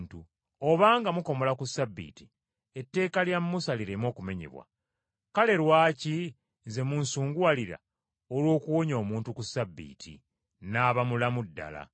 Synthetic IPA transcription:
ntu | o̞βaːŋɡamuko̞mo̞lakusabːḭːti̥ | e̞tːe̞ːkaljamːusaliɾemo̞ːkume̞ɲḭβwa̰ | kale̞ɾwaːci | ze̞munsuːŋɡuwaliɾa̰ | olwo̞ːkuwo̞ɲo̞ːmuːntukusabːḭːtʰḭ | naːβamulamudːa̰la̰

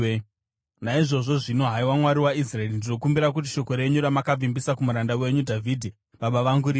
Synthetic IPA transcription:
naiʐo̞ʐo̞ʐino̞ɦaiwamwaɾiwais̬raerindino̞kumbiɾak̬ut̬iʃo̞ko̞ɾe̞ɲuɾamakab͡vimbisakumuɾandawe̞ɲudʱavʱidʱi | ʋaɓaʋaŋɡuɾi

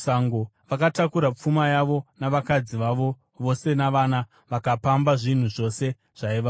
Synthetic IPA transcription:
saŋɡoʋakatakuɾap͡fumajaʋo̞naʋakad͡ziʋaʋo̞ | ʋo̞se̞naʋana | ʋakapambaʐin̤uʐo̞se̞ | ʐ̥aiʋa

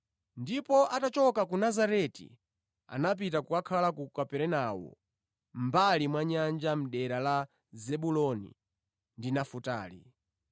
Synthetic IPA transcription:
ndipɔʔatat͡ʃɔkakunazaɾɛtḭ | a̰nap̬itakuakʰalakukapɛɾɛnawɔ̰ | mbalimwaɲand͡ʒam̩ɗɛɾala | zɛɓulɔnḭ | ndinafuta̰ːlḭ

